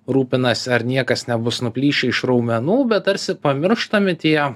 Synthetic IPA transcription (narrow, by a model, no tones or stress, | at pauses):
ɾuːpʲɪnɐsʲɪɐɾnʲiɛkɐsnʲɛbʊsnʊpʲlʲiːʃʲɛɪʃɾɐʊmʲɛnuːbʲɛt̪tɐɾʲsʲɪpɐmʲɪɾʃt̪ɐmʲɪt̪ʲiɛ